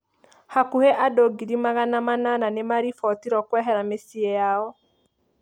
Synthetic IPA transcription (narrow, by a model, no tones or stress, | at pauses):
hakuheʔadoɡiɾimaɣanamanananemaɾifɔtiɾɔkwɛɦɛɾamesiejaɔ